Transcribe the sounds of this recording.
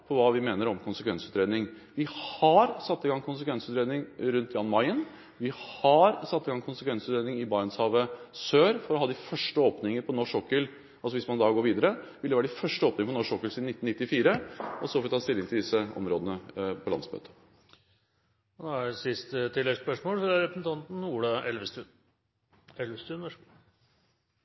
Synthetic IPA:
pʰɔʋɑːʋɪmeːnəɾɔmkʊnsəkʰʋɛnsʉːt̪ɾeːd̪nɪŋ | ʋɪhhɑɾsɑt̪ːɪɡɑŋkʰʊnsəkʰʋɛnsʉːt̪ɾeːd̪ɪŋɾʉnt̪jɑːnmɑɪən | ʋɪhɑɾsɑt̪ːɪɡɑŋkʰʊnsəkʋɛnsʉːt̪ɾeːd̪ɪŋɪbɑːənshɑːʋəsøːɾfɔɾɔhɑːd̪ɪfœʂʈəoːpnɪŋəɾpʰɔnɔʂɔkːəl | ɑlsɔʋɪsmɑnd̪ɑɡoːɾʋiːd̪əɾəʋɪld̪ɛʋæːɾɖ̪ɪfœʂʈəoːpnɪŋəfɔnɔʂɔkəlsid̪nɪt̪ːn̩ɪt̪ːɪfiːɾəɔsɔfɔɾʋɪt̪ɑːst̪ɪlːɪŋt̪ɪld̪ɪsːəʔɔ̰mɾoːd̪ənəpʰɔlɑ̰nsmø̰ːt̪ʰə̥ | ɔd̪ɔæɾsɪst̪ət̪ʰɪlːɛpœʂmoːlfɾæɾɛpɾəsn̩t̪ʰɑnt̪n̩uːɖɑʔɛlʋəst̪ʉː | ɛlʋəst̪ʉː

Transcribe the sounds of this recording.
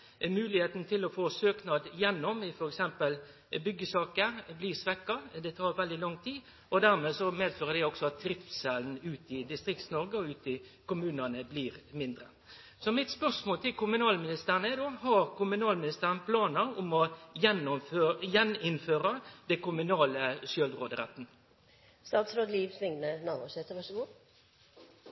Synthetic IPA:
mʉːlɪheːt̪nt̪ʰɪlɔfoːsøːknɑd̪jɛnːɔmɪfɔɾɛksɛmpəl | bʏɡːəsɑːkəɾbliːsʋɛkːɑd̪ɛt̪ʰɑːʁʋɛld̪ɪlɔŋt̪ʰiː | ʔɔd̪æʁmeːsɔmeːd̪føːʁəd̪ɛɪɔksɔɑt̪̚d̪ɾɪft̪sɛln̩ʉːt̪ɪd̪ɪst̪ʁɪk̚t̪snɔʁɡəɔʉːt̪ɪ | kʊmʉːnənəbliːɾmɪnd̪ɾə | sɔmɪt̪spœʁsmoːlt̪ʰɪlkʊmʉnɑːlmɪnɪst̪əʁnəɛd̪oːhɑʁkʊmʉnɑːlmɪnɪst̪əʁənpʰlɑːnəʊmɔjɛnɔføjɛnɪnføːɾɑd̪̥ɛkʊmʉnɑːləsjœlʁoːd̪əɾɛ̰t̪ːn̩ | st̪ɑːt̪sɾoːd̪liːʋsʋɪŋnənɑːbuset̪əʋɑʂəɡuː

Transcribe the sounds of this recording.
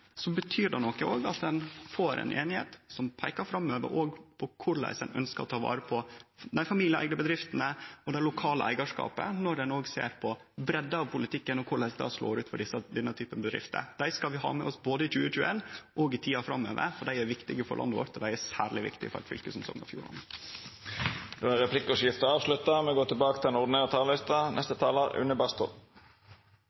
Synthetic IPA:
sɔbət̪ʰyːɖ̪ɛnɔkːəoːɡɑt̪̚d̪ɛnfoːɾɛ̰nʔeːnɪhḛːt̪sɔmpʰæɪkɑɾfɾɑmːøːʋə̰ɾʔoːɡpʰɔkʰʊɾɭæ̰ɪsənœ̰nskəɾɔt̪ʰɑːʋɑ̰ːɾəpʰɔnæɪfɑmiːlɪæ̰ɪɡnəbəd̪ɾɪft̪ənəɔd̪ælʊkʰɑːləʔæɪɡɑʂkɑ̰ːpə̰nɔɾɖ̪ɛnoːɡsḛːɾpʰɔ | bɾɛd̪ːəɑʋpʊlɪt̪ʰɪkːənɔkʰʊɭæɪsd̪ɑ̰slo̰ːɾʉːt̪fɔɖɪsəd̪ɛnːət̪ʰyːpənbəd̪ɾɪ̰ft̪ə̰d̪̥æɪskɑlʋɪɦɑ̰ːmɛɔsboːd̪əɪt͡ʃʉːət͡ʃʉːənʔɔɡɪt̪ʰiːɑfɾɑ̰mːøːʋə̰ɾfɔɖæɪæɾʋɪkt̪ɪɡəfɔ̰ɾɭʔɑ̰ndəʋɔ̰ɾt̪ʰɔd̪æɪæsæːɾɭɪʋɪ̰kt̪ɪ̰fɔ̰ɾɑ̰t̪fʏ̰lkəsɛmsɔ̰ŋːnɑ̰fjuːɾɑ̰nd̪ə | d̪ɛæʁɛpʰlɪkːɔʃjɪft̪əɑːʋslʉt̪əmɛɡoːt̪ʰɪlbɑːkə̥t̪ʰɪlɛnʊʁd̪ɪneːʁət̪ʰɑːllɪst̪ɑnɛst̪ət̪ʰɑːləʉ̰nəbɑst̪ʊ̰

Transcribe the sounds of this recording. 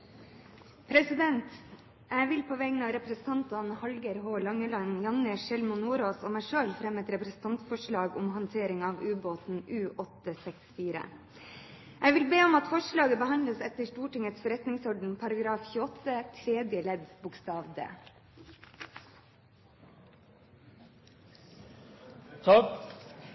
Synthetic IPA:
pʰɾɛsɪd̪ɛnt̪ | æɪʋɪlpʰoʋɛɡnɑːʋɾɛpɾɛsn̩t̪ʰɑnt̪ɑnhɑlɡəɾɦoːlɑŋːəlɑnjɑnːəʂɛlmʊnuːɾoːsoːmæɪʂøːlfɾɛmːɛt̪ɾɛpɾɛsn̩t̪ʰɑnt̪fɔʂɭɑːɡʊmhɑnt̪ʰeːɾɪŋɑːʋʉːboːt̪n̩ʔʉːʔɔt̪ːəsɛksfiːɾə̰ | ʔæʋɪlbeːɔmɑt̪fɔʂlɑːɡəbəhɑnd̪ləsɛt̪əʂʈuːʈɪŋət̪sfɔɾɛt̪nɪŋsɔɖɳ̩pʰɑɾɑɡɾɑːfçʉːɔt̪ːət̪ʰɾeːd̪jəlɛd̪sbʊkst̪ɑːʋd̪ə̰ | t̪ʰ

